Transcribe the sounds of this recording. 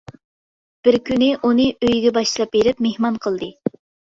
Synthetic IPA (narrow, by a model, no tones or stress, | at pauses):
b̥ɪɾkʲynɪʔunɨʔøjɡʲɛbɑʃlˠɑp̚beɾɪpmehmɑnqʰəlˠd̪ɨ